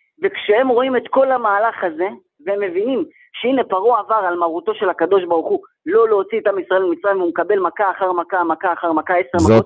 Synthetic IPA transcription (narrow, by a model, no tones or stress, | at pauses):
vekʃehe̞mʁo̞ime̞t̪ko̞lamaːlaχaze̞ | veemːe̞vinim | ʃeine̞paʁoavaʁalmaʁut̪o̞ʃe̞lhakad̪o̞ʃbaʁuχu | lo̞leot͡siːt̪amisʁaelemit͡sʁaimvumekabe̞lmakaːχaʁmakamakaːχaʁmakae̞seʁmakot̪